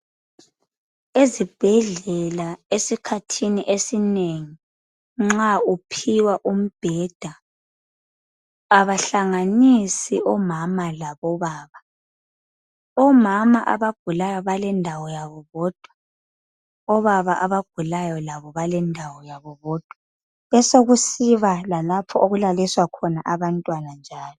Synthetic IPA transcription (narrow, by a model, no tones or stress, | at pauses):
ezib̥ʱɛɮɛlaesikʰatʰiniʔesineŋi | ŋ͡ǁaupʰiwaʔum̩b̥ʱɛd̥ʱa | aβaɬaŋanisiʔɔmamalaβɔβaːβa | ɔmamaʔa̰βaɡ̥ʱulajɔβalɛndʱawɔjaβɔβɔːd̥ʱwa | ɔβaβaʔaβaɡ̥ʱulajɔlaβɔβalɛndʱawɔjaβɔβɔːd̥ʱwa | ɛsoɣusiβalalapʰɔoɣulaliswakʰɔnaʔaβantʼwanand͡ʒʱaːlɔ